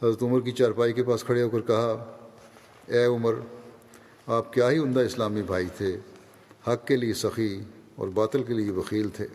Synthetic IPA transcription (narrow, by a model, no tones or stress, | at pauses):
hɐzɾət̪ʊməɾk̬it͡ʃaːɾpaːikepaːskʰɐɽeɦoːkəɾkɐɦa | ɛːʊməɾ | aːp̚kjaːɦiʊ̃nd̪aɪslaːmibʱaːit̪ʰe | hɐkːelijesɐxi | ɔ̰ːɾbaːt̪əlk̬elieʋɐxiːlt̪ʰḛː